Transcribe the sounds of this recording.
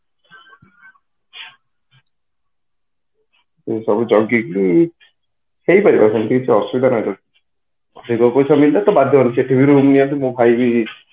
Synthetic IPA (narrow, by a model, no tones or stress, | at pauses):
esɔbud͡ʒɔɡjikili | hejpɔɾipaɾsʰɔnt̪it͡ʃʰiɔsubid̪ʱanɔjt̪ɔ | ɔd̪ʱikɔpɔjsamilat̪ɔbad̪ʱjɔɦɔnit͡ʃʰieʈibʱiɾumnijɔnt̪imũbʱajbi